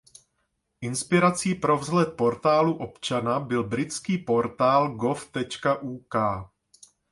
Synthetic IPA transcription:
ʔɪnspɪɾat͡siːpɾo̞vzlɛt̪̚po̞ɾt̪aːluʔo̞pt͡ʃanabɪlbɾɪt͡skiːpo̞ɾt̪aːlɡo̞ft̪ɛt͡ʃkaʔuːkaː

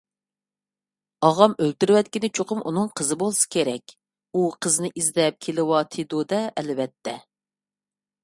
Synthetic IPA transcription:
ɑʁɑmølt̪yɾwɛt̪̚kʲinɪt͡ʃʰoqʰʊmʔṵnɨŋqʰəzɨbolˠsɨ̥kʲʰeɾɛkʲ | uqʰəznɪʔizd̪ɛp̚kʲʰelɪwɑt̪ʰed̪od̪ɛʔɛlvɛt̪ʰːɛ

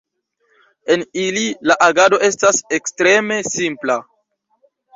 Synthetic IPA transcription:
e̞nililaʔaɡado̞ʔe̞stase̞kstɾe̞me̞simpla

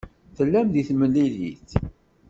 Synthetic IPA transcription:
θəlːæmðiθməlːilḭθ

